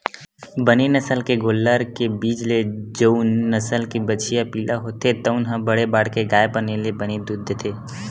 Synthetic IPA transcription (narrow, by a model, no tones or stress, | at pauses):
bənenəsəlkeɡoːlːəɾkebiːd͡ʒled͡ʒonːəsəlkibət͡ʃijapiːlaɦot̪et̪ɐʊnɦãbəɽebaːɽkeɡaːepənelebəned̪ʊd̪ʱːt̪ʰeː